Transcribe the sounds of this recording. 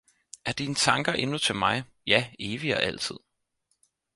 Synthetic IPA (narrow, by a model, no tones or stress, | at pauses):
æɐd̥iːnət͡sʰɑ̈ŋɡ̥ɐʔe̝nut͡sʰe̝lmɑ̈ɪ | jæe̝ːʋiɒ̽ʔæl̰t͡sʰið̞̰ˠ